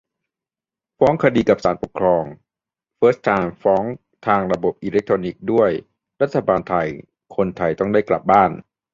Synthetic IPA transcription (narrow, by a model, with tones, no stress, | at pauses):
fɔː˦˥ŋkʰa˧diː˧ka˨˩p̚saː˩˦npo˨˩kʰɾɔː˧ŋ | fɤː˦˥st̪ʰaː˧nfɔː˦˥ŋ | t̪ʰaː˧ŋɾa˧bo˨˩p̚ʔiː˧le˦˥k̚t̪ʰɾoː˧ni˨˩k̚du˥˩əj | ɾa˦˥t̪ʰːa˧baː˧nt̪ʰa˧j | kʰo˧nt̪ʰa˧jt̪ɔ˥˩ŋdaː˥˩jkla̰˨˩p̚baː˥˩n